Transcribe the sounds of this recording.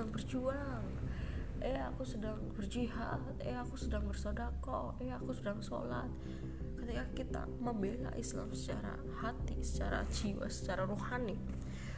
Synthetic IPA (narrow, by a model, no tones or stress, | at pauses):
aŋbərd͡ʒua | ŋ | əjakusədaŋbərd͡ʒiɦa̰t̪̚əjaakusədaŋbərsodako | əjakusədaŋso̰la̰t̪̚ | kət̪ikakit̪a̰məmbela̰ʔisla̰msə̥t͡ʃa̰ɾa̰ | hat̪isə̥t͡ʃa̰ɾa̰t͡ʃiwa̰sə̥t͡ʃaɾaɾuhanɪ